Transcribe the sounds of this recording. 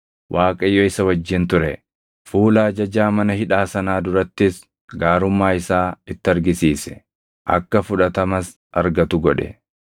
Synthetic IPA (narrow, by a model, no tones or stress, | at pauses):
wʔaːkʼɐjːɔɪsɐwɐd͡ʒːɪnt̪ʊɾɛ | fuːlaːd͡ʒɐd͡ʒaːmɐnɐhɪᶑaːsɐnaːd̪ʊɾɐt̪ːɪs | ɡaːɾʊmːaːɪsaːɪt̪ːɪɐɾɡɪsiːsɛ̥ | ʔɐ̰kːɐfʊᶑɐt̪ɐmɐs | ɐɾɡɐt̪ʊɡɔᶑɛ̰